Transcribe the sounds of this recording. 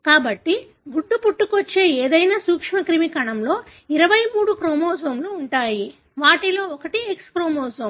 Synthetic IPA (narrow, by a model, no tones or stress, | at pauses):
kaːbɐʈːi | ɡuɖːupuʈːukot͡ʃːe̞ːeːd̪ɐjnaːsuːkʂmɐkɾimikɐɳɐmlo̞ːiɾɐʋɐjmuːɽukɾoːmɔːsɐmluːɳʈaːji | ʋaːʈilo̞ːɔkɐʈiekskɾoːmɔːsɐm